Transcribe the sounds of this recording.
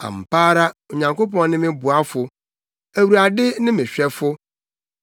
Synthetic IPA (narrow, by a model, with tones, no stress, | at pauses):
ã̰˨m̩˨paː˦ɾa˦o˨ɲã˨ŋko˦pɔ̃˦n˦nɪ̃˦mɪ̃˦bʊ˨a˦fʊ˨ | æ˨wu˨ɾa˨dɪ˦nɪ̃˦mɪ̃˨ɕᶣɛ˦fʊ˦